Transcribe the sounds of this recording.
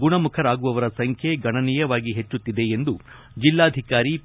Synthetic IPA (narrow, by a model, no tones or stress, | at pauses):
ɡuɳɐmukʰɐɾaːɡuʋɐʋɐɾɐsɐŋkʰjeɡɐɳɐnijɐʋaːɡiɦe̞t͡ʃːut̪ːid̪e̞ːnd̪u | d͡ʒilːaːd̪ʱikaːɾi